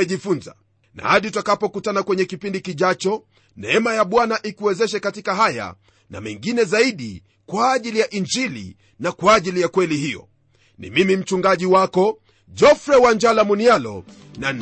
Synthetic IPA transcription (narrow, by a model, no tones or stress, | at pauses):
ʄifunza̰ | na̰haɗitakapɔkutanakwɛɲɛkipindikiʄat͡ʃɔ | nɛɛmajaɓwanaʔikuwɛzɛʃɛkatikaɦaja̰ | na̰mɛŋɡinɛzaiɗi | kwaːʄilijaʔind͡ʒilḭ | nakwaːʄilijakwɛliɦijɔ̰ | nḭmimim̩t͡ʃuŋɡaʄiwakɔ | d͡ʒɔfɾɛwaɲd͡ʒalamunialɔ̰ | nan